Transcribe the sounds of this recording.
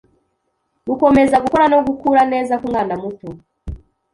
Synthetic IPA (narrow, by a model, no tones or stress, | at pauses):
ɡuko̞me̞zaɡukoɾanoɡukuɾane̞ːzakuŋɡaːndamuto